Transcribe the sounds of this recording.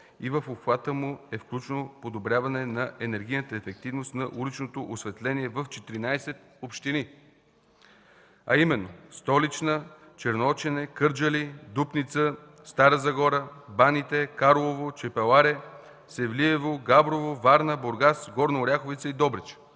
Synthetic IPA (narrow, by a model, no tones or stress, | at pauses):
ivəfopxvat̪əmuɛfklʲut͡ʃnopod̪obɾʲjavɐnɛnɐɛnɛɾɡ̟ʲijnət̪əɛfɛk̚t̪ivnost̪nɐʔulit͡ʃnot̪oʔosvɛt̪lɛniɛvəft͡ʃɛt̪iɾinajsɛt̪̚ | opʃt̪ini | ɐ̰imɛnːost̪ɔlit͡ʃnə | t͡ʃɛɾnoɔt͡ʃɛnɛkɤɾd͡ʒəlid̪upnit̪sə | st̪aɾəzɐɡɔɾəbanit̪ɛkaɾlˠovot͡ʃɛpɛlˠaɾɛ | sɛvliɛvoɡabɾovovaɾnəboɾɡasɡɔɾnɐʊɾʲaxovit̪səid̪ɔbɾɛt͡ʃ